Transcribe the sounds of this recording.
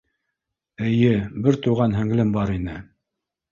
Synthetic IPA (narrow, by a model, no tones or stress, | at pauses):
ɘ̆jɘbɘɾt̪uʁɑnɦɘ̆ŋlɘmbɑɾinɘ